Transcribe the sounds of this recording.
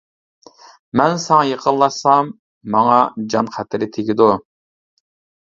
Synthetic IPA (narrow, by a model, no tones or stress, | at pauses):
mɛnsɑŋɑjeqʰəlˠːɑsɑmː | ɑŋɑd͡ʒɑnqʰæt̪ʰɪɾɪt̪ʰeɡʲid̪u